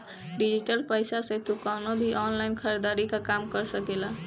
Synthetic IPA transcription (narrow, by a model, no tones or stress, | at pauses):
ɖid͡ʒiʈəlpəjsasẽt̪ukanobʱiʔɔnlainkʰəɾed̪aɾikakamkəɾsəkela